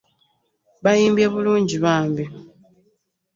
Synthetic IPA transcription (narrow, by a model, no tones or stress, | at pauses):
βajiːmbjaβuluːɲɟiβaːmbi